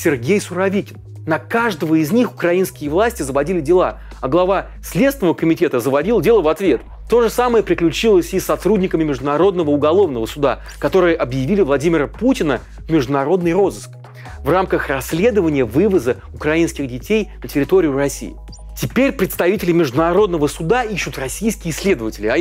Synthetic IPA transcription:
sʲɪrɡʲejsʊɾɐvʲikʲɪn | nɐkaʐd̪əvəɪzʲnʲixʊkɾɐinskʲɪjəvlˠasʲtʲɪzəvɐdʲilʲɪdʲɪlˠa̰ | ɐɡlˠɐva | sʲlʲet̪st̪vʲɪnəvəkəmʲɪtʲe̞t̪əzəvɐdʲilˠdʲe̞lˠəvɐt̪vʲe̞t̪ | t̪o̞ʐɨsaməjəpɾʲɪklʲʉt͡ɕilˠəsʲisːɐt̪ɾudʲnʲɪkəmʲɪmʲɪʐd̪ʊnɐɾo̞d̪nəvəʊɡɐlˠo̞vnəvəsʊd̪a̰ | kɐt̪o̞ɾɨjəʔɐbjɪvʲilʲɪvlˠɐdʲimʲɪɾəputʲɪnə | vmʲɪʐd̪ʊnɐɾo̞d̪nɨjɾo̞zɨsk̚ | vramkəxrɐsʲːlʲe̞d̪əvənʲɪjəvɨvəzə | ʊkɾɐinskʲɪɣdʲɪtʲejnətʲɪɾʲɪt̪o̞ɾʲɪʊrɐsʲːḭjɪ̰ | tʲɪpʲeɾʲpɾʲɪt̪st̪ɐvʲitʲɪlʲɪmʲɪʐd̪ʊnɐɾo̞d̪nəvəsʊd̪aiɕːʊt̪rɐsʲijskʲɪjəɪsʲlʲe̞d̪əvətʲɪlʲɪɐ

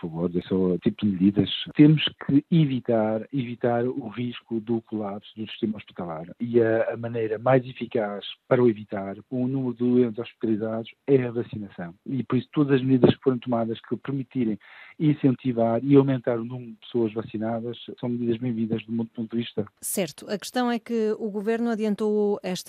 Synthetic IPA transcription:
puɾfɐvoɾðɛsɔt̪ipud̪ɨmɨðiðɐʃt̪emuʃkʰɨivit̪aɾivit̪aɾuʁiʃkuðukulˠapsuðusi̥ʃt̪emɐɔʃpi̥t̪ɐlˠaɾiɐːmɐnejɾɐmajzifikaʃpɐɾɐuivit̪aɾunumɾuðɨðwẽnt̪z̥ɔʃpi̥t̪ɐlˠizaðuʃɛɐvɐsinɐsɐ̃w̃ipɔɾisu̥t̪oðɐzɐʒmðiðɐʃkfoɾẽj̃t̪umaðɐʃkɨpɨɾmit̪iɾɐ̃j̃ĩsẽnt̪ivaɾiawmẽnt̪aɾunumɾuðpɨ̥soɐʒvɐsinaðɐʃsɐ̃w̃mðiðɐʒβẽj̃vĩnd̪ɐʒðumũnd̪̚põt̪d̪ðɨviʃt̪ɐsɛɾt̪uɐkɨ̥ʃt̪ɐ̃w̃ɛkɨuɣuveɾnuɐðiɐ̃nt̪oɛʃt̪

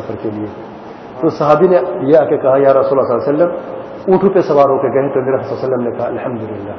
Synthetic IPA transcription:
ɐfʰɐɾkelie | t̪osɐɦaːbinejeakekɐɦajaːɾɐsuːlːaslːaːsɐlːɐm | uːʈʰupesɐbaːɾɦokeɡɐɦẽt̪oniɾɐft̪sasɐlːɐmnekɐɦaɐlhɐmd̪ʊlɪlːaː

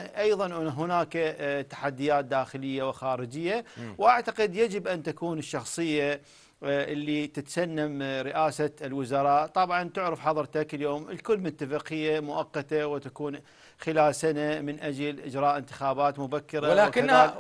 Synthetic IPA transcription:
ʔɑjðˤɑnɦʊnaːkat̪ḁħad̪ːɪjaːt̪̚d̪aːxɪlɪjːawɪxaːɾɪd͡ʒɪjːawʔaʕt̪aqɪd̪jad͡ʒɪbʔant̪akuːnɪʃːɑxsˤɨjːa | ʔɪlːit̪ɪt̪sanːamɾɪʔaːsalwɪzɑɾˤɑːʔt̪ˤɑbʕɑnt̪ʊʕɾɑfħɑðˤɾˤt̪akɪljoːmɪlkʊlːmʊt̪ːafɪqɪjːamʊʔɑqːɑt̪awɪt̪akuːn | xɪlaːlsanamɪnʔad͡ʒalʔɪd͡ʒɾˤɑːʔɪnt̪ɪ̥xaːbaːt̪mʊbakːɪɾɑlakːa

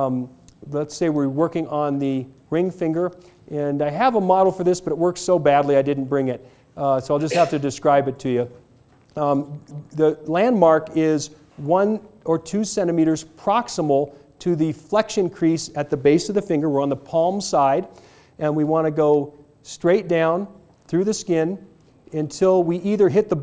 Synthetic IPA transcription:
lətseɪwɪɹwɜ˞kɪ̃ŋʔə̃nðɨ | ɹɪ̃ŋfɪ̃ŋɡə˞ | ʔɨ̃naɪɨvəmɑɾl̩ˠfə˞ðɪsb̥ʌɾɨt̚wɜ˞ktsoʊbædˡliaɪdɪdⁿn̩b̥ɹɪ̃ŋɪt̚ | soʊaɪlˠd͡ʒʌst̚hæftɨdɨskɹaɪbɨtʰɨjʉ | ðɨlæ̃nmɑɹkɪz | wʌ̃nə˞tʰʉsɛ̃ɾ̃ɨmiɾə˞z̥pʰɹ̥ɑksəml̩ˠtʰɨðɨflɛkʃɨ̃nkʰɹ̥isɨt̪̚ðɨbeɪsʌvðɨfɪ̃ŋɡə˞wəɹə̃nðəpʰɑlˠmsaɪɾ | ɨ̃nwiwɑ̃ñɨɡoʊ | stɹ̥eɪt̚d̥ãʊ̃n | θɹʉðɨskɪ̃n | ɨ̃ntʰɪlˠwiʔiðə˞ɦɪt̪̚ðə

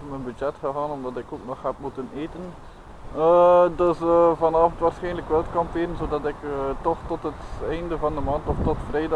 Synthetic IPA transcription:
mənbyd͡ʒɛtxəɦaːnɔmdɑtɪkoːk̚nɔxɦɛpmutəneːtən | ədøsəvɑnaːvəntʋaːrsxɛjnləkʋɛlˠətkɑmpeːɾənzoːdɑtɪkətɔxtɔtɦətɛjndəvɑndəmɑːntɔftɔtfrɛjd

